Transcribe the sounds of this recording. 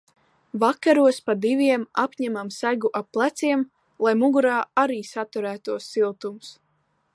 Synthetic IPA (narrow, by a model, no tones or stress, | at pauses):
vakaɾuɔspad̪iviɛmapɲæmamsæɡuʔap̚pːlˠæt̪siɛm | lˠajmuɡuɾaːaɾiːsat̪uɾæːt̪uɔsːilˠt̪ums